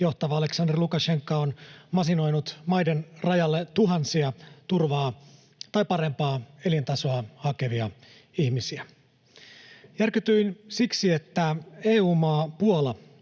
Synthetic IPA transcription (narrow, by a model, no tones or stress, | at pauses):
jo̞ht̪ɑʋɑɑle̞ksɑnderlukɑʃe̞ŋkːɑonmɑsino̞jnut̪mɑjdenrɑjɑlːet̪uɦɑnsiɑt̪urʋɑː | t̪ɑjpɑɾe̞mpɑːe̞lint̪ɑso̞ɑhɑke̞ʋiɑ | ihmisiæ | jærkyt̪yinsiksiet̪ːæe̞ːuːmɑːpuolɑ